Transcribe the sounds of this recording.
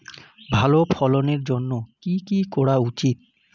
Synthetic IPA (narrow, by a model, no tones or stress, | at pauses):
bʱalopʰɔloneɾd͡ʑonːokikikɔɽaut͡ɕit̪̚